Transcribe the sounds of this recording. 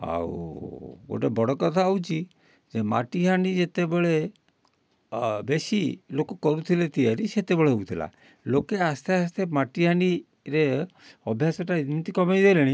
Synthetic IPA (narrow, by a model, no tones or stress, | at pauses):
a̰w | o̰ʈebɔɽɔkɔt̪ʰaawt͡ʃʰi | d͡ʒema̰ʈiɦanid͡ʒet̪ebeɭe | besilokɔkɔɾut̪ʰilet̪iaɾiset̪ebeɭeɦout̪ʰila̰ | lokeast̪ʰeast̪ʰemaʈiɦani | ɾeɔbʱjasɔʈaimit̪ikɔmajd̪ejleɽ̃i